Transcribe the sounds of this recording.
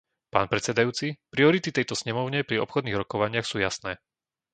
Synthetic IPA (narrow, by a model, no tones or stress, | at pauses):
pa̰ːnpɾɛt̪sɛd̪ajuːt͡sipɾiɔɾit̪it̪ɛjt̪ɔsɲɛmɔʊɲɛpɾiɔpxɔd̪niːɣɾɔkɔʋaɲɪaxsuːjasnɛː